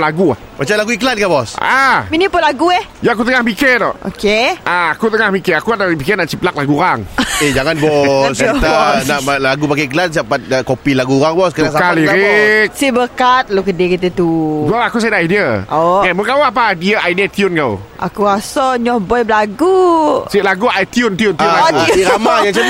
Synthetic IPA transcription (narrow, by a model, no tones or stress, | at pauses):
laɡua̰ | mat͡ʃamlaɡuikəlankabɔsaminipʊnlaɡuɛhjaak̬ut̪̬əŋahmiket̪ɔ̰ʔʔo̰keʔaakut̪əŋahmikɛakuadaipikɛnaʔt͡ʃiplak̚laɡuɾaŋed͡ʒaŋanbɔst̪anaʔalaɡupakaikəlans̬iapat̪̚əkopilaɡuɣaŋbɔskəəasaaliɾk̚sibəkat̪̚luk̬ədikit̪ət̪udaakus̬ajdaʔidiəɔɛnməkawap̬adiəʔaidiat̪jʊnkawʔa̰kuasɔɲɔhbɔjbəlaɡusiʔlaɡuajt̪jʊnt̪iʊntiʊnlaɡuiɾamajaŋt͡ʃə